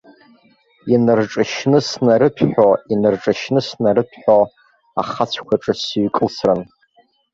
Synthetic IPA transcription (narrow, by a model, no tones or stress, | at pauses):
inɨrʈ͡ʂʼɨʃnɨsnaɾɨpʰħʷᶣoinɨrʈ͡ʂʼɨʃnɨsnaɾɨpʰħo | a̰χat͡ɕʷʰkʷʰaʈ͡ʂʼɨsɥkʼlsrɨn